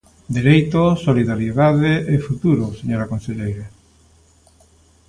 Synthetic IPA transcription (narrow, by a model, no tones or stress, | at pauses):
d̪eɾejt̪osoliðaɾjeðaðeʔefut̪uɾoseɲoɾakonseʎejɾa